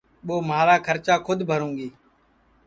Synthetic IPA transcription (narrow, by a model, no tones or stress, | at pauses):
ɓoːmaːɾaːkʰəɾt͡ʃaːkʰʊd̪ʱbʱəɾũːŋɡiː